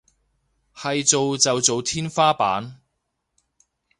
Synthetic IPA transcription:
hɐ˨jt͡so˨wt͡sɐ˨wt͡so˨wt̪ʰiː˥nfaː˥pa̰ː˨˥n

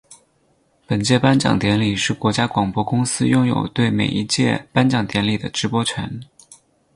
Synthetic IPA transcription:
pə˨˩nt͡ɕjɛ˥˩pa˥nt͡ɕjɑ̰˨˩ŋt̪jɛ˧˥nli˨˩ʂɻ̩˥˩kwɔ˧˥t͡ɕja˥kwɑ˨˩ŋpwɔ˥kʊ˥ŋsɹ̩˥jʊ˥˩ŋjo̰˨˩ʊt̪we˥˩ɪmḛ˨˩ɪi˧˥t͡ɕjɛ̰˥˩pa˥nt͡ɕjɑ˨˩ŋt̪jɛ˧˥nli˨˩d̪ə˦ʈ͡ʂɻ̩˧˥pwɔ˥t͡ɕʰɥɛ˧˥n

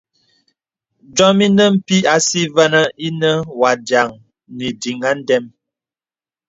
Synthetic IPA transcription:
d͡ʒɔ˦mi˦nə˦m̩˦pi˦a˨si˦və˦nə˦i˦nə˦wa˨dja˨ŋ | ni˨di˨ŋa˦n̩˦dɛ˦m

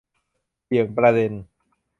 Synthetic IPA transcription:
si˩˦əŋpɾa˧de˧n

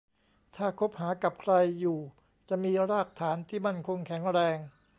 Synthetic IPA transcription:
t̪ʰaː˥˩kʰo˦˥p̚haː˩˦ka˨˩p̚kʰɾa˧jːuː˨˩ | t͡ɕa˨˩miː˧ɾaː˥˩k̚t̪ʰaː˩˦nt̪ʰiː˥˩ma˥˩nkʰo˧ŋkʰɛ˩˦ŋɾɛː˧ŋ

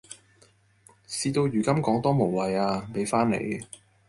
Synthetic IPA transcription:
siː˧t̪o˧wjyː˨˩kɐ˥mkɔː˨˥ŋt̪ɔː˥mo˨˩wwɐ˨jaː˧pe˨˥jfaː˥nḛ˨˧j

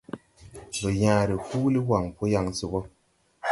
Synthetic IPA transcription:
bə˨ja˨ɾi˨huː˦li˦wa˨ŋpo˦ja˦˨ŋsi˦bɔ˦

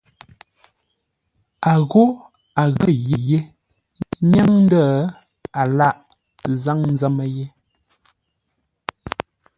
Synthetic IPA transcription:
a˨ɣo˦ | a˨ɣə˦˨je˨je˦ | ɲa˦ŋn˦də˦ | a˨la˦˨ʔ | za˦ŋn˦zə˦mə˦je˦

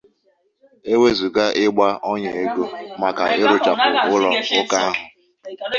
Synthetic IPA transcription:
e˦we˦zu˨ɡa˦ʔɪ˦ɡ͡ba˦ʔɔ˦ɲe˨e˦ɡo˦ma˨ka̰˨ɪ˦ɾʊ˨t͡ʃa˨pʊ˨ʊ˦lɔ˦ʊ˦ka˦a˦ɦʊ˨

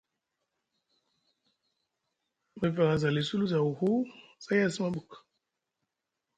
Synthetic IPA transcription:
ma˨va˨ŋa˨za˨li˨su˦lu˦za˨wu˨hu˦sa˦ja˦si˦ma˦bu˨k

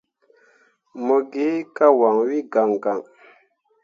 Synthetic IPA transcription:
mɔ˨ɡi˦ka˦wa˨ŋwi˦ɡa˨ŋɡa˨ŋ

